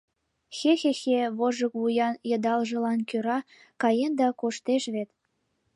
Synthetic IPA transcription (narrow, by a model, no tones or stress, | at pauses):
xexexeβoʒəkβujɑnjɤ̆d̪ɑlʒɤ̆lɑnkøɾɑ | kɑjend̪ɑkoʃt̪eʃβet̪